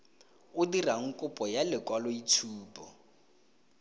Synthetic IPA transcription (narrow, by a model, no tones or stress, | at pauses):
ʊdiraŋ̩kʼʊpʼɔjalɪkwalɔit͡sʰuːpʰʼɔ